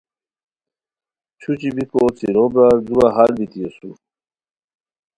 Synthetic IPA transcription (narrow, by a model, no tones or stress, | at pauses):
t͡ɕʰut͡ɕibikot͡siɾobɾad͡zuaɦalbit̪ijesṵ